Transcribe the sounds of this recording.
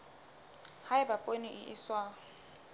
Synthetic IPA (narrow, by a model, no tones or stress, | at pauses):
haɪbapʼoniʔɪʔɪswa